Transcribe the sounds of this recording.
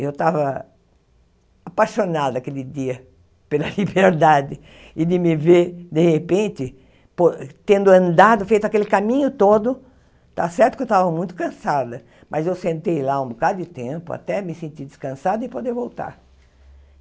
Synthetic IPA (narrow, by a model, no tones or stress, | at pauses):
ewt̪avɐ | apaʃonad̪ʊakelɪd̪iɐ | pelɐlibeɾd̪ad̪ɪ | ɪd̪ɪmɪveɾd̪ehepẽnt̪ɪ | pot̪ẽnd̪ʊɐ̃nd̪ad̪ʊfejt̪ʊakelɪkamĩɲʊt̪od̪ʊ | t̪a̰sɛɾt̪ʊkɪewt̪avɐmũj̃t̪ʊ̥kɐ̃sad̪ɐ | mʔɐzewsẽnt̪ejlaũbokad̪ʊd̪ɪt̪ẽmpʊa̰t̪ɛmɪsẽnt̪id̪ɪskɐ̃sad̪ʊɪpod̪eɾvowt̪a̰ɾ